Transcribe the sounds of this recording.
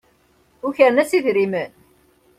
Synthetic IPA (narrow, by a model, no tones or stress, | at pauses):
ʊçəɾənæsiðɾimən